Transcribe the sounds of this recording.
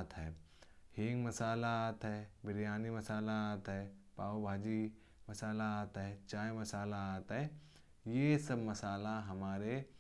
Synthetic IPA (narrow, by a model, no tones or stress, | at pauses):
t̪ɦɛː | hiːŋɡmɐsaːlat̪ɦɛːbɪɾijaːnimɐsaːlat̪ɦɛːpaːobʱaːd͡ʒi | mɐsaːlat̪ɦɛːt͡ʃaːemɐsaːlat̪ɦɛː | jesɐbmɐsaːlaɦɐmaːɾe